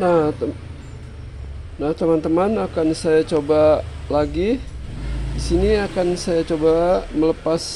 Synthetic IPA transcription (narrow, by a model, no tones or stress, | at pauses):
naht̪ə | naht̪əmant̪əmanakansajat͡ʃobalaɡi | disiniakansajat͡ʃobamələpas